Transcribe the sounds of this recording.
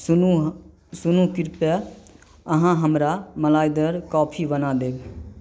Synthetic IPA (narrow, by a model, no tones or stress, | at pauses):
u | sʊnukɪɾpɛ | əɦãɦəmɾaməlaːjd̪əɾkɔːpʰibənad̪eːb